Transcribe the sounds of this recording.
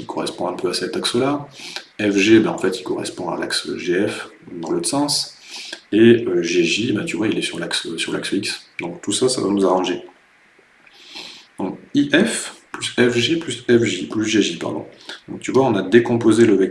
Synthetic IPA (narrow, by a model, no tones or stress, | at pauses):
ikɔʁɛ̰spɔ̃ɛ̃pʰøasɛt̪aksəlaɛfʒebɛ̃ɑ̃fɛt̪ikɔʁɛ̰spɔ̃a̰la̰ksʒeɛfd̪ɑ̃lət̪sɛ̃s | eøʒeʒibɛ̃t̪yvwailɛsyʁlaksøsyʁlaksiksd̪̥ɔ̃k̚t̪usasa̰va̰nuzaʁɑ̃ʒe | d̪̥ɔ̃kiʔɛfplysɛfʒeplysɛfʒiplysʒeʒipa̰ʁd̪ɔ̰̃d̪ɔ̃k̚t̪yvwaɔ̃nad̪ekɔ̃pozeləvɛ